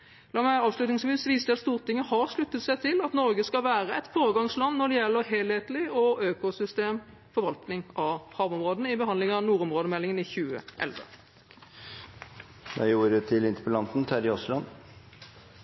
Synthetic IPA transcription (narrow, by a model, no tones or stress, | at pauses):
lɑːmæɑːʋslʉt̪nɪŋsʋiːsʋiːsd̪ɛɑt̪st̪uːʁt̪ɪŋːəhɑʁʂlʉt̪ːət̪sæɪt̪ʰɪlɑt̪nɔɾɡəskɑlʋæːʁəɛt̪foːɾəɡɑŋslɑnːɔɖ̪ɛjɛlːəɦeːlheːt̪lɪɔøːkʊsʏst̪eːm | fɔɾʋɑlt̪nɪŋʔɑʋhɑːʋɔmʁoːd̪ənəɪbəhɑnd̪lɪŋəɑnuːɾɔmʁoːd̪əmɛlːɪŋənɪçʉːə̰ʔɛ̰lʋə̰ | d̪ɛ̰juːɾət̪ʰɪlɪnt̪əpəlɑnt̪n̩t̪ʰæd̪ɪɔslɑn